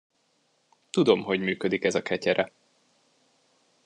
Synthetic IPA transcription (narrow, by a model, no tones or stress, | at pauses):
t̪ud̪o̞mɦo̞ɟmyːkød̪ikɛzɒkʰɛcɛɾʔɛ